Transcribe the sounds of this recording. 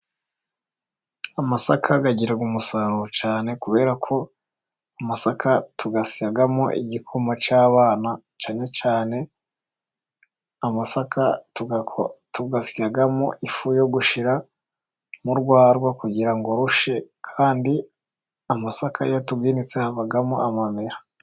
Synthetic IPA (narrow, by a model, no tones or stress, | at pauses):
amasakʰaɡaɟiɾaɡumusaɾuɾt͡ʃaːne̞kuβe̞ːɾakʰo̞ | amasakʰatuɡasiaɡamo̰ʔḭɟikʰomat͡ʃaːβaːna | t͡ʃaːɲe̞t͡ʃaːne̞ | amasakatutuɡasi̥aɡamo̰ʔifujo̞ɡuʃiɾa | muɾɡwaːɾɡwakuɟiɾaŋɡo̞ɾuʃe̞kʰaːndi | amasakʰaɾijo̞tuɡɡiːnit͡sehaβaɡamoʔamameɾa